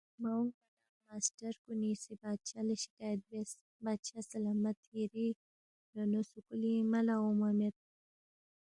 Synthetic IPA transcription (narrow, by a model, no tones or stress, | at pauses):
mauŋɡbana | masʈaɾkunisebad̪̚t͡ʃaləʃɪ̥kajat̪̚bes | bad̪ʃasalamat̪hiɾi | ɾonosukulimalaomamet̪̚